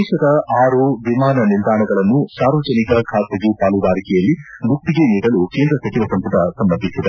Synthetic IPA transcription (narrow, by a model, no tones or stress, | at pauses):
ɛːʃɐd̪ɐaːɾuʋimaːnɐnild̪aːɳɐɡɐɭɐnːusaːɾʋɐd͡ʒɐnikɐkʰaːt̪ɐɡupaːluɡaːɾikɛjɐlːi | buk̚t̪iɡeniːɽɐlukeːnd̪ɾɐsɐt͡ʃiʋɐsɐmp̪uʈɐsɐmːɐɾd̪ʱisid̪e